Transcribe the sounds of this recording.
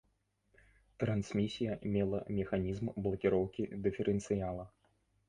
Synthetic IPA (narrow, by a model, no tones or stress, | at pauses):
t̪ɾansmʲisʲijɐmʲɛlˠɐ̰mʲɛxanʲizmblˠɐkʲiɾɔwkʲid̪ɨfʲɛɾʔɨnt̪sɨjalˠɐ